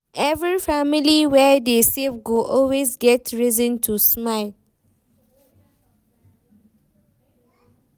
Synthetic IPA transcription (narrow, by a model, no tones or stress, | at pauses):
ʔɛvɹifamiliwɛdesevɡoʔɔlwesɡɛtʰɹizə̃ntʰusmaɪl